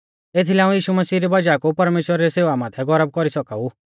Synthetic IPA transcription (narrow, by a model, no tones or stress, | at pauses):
eːt̪ʰilɛãːũjiːʃumɐsiːɾibad͡ʒaːkupɐɾmeːʃwəɾaɾiseːʋamãːt̪ʰɛɡɔɾəb̚kɔɾisɔkaːu